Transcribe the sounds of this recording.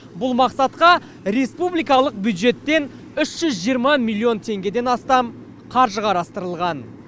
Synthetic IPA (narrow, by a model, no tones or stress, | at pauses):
bʊlˠmɑqsɑt̪qɑ | ɾe̞spublijkɑlˠəq̚bjud̪ʒe̞t̪ːe̞n | ʏʃʒ̥ʏzʒijəɾmɑmilʲːio̞nt̪ʰe̞ŋɡʲe̞d̪e̞nɑst̪ɑm | qʰɑɾʒəqʰɑɾɑst̪əɾəlˠʁɑn